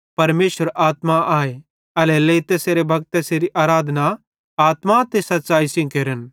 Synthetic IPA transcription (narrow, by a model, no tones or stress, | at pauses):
pɐɾmeːʃəɾʔaːt̪maʔaːe | ɐleleːt̪eːseːɾebʱɐɡ̚t̪ːeːseːɾiʔaːɾaːd̪ʱna | aːt̪mat̪esɐt̪ːt͡ʃaːisĩkeːɾən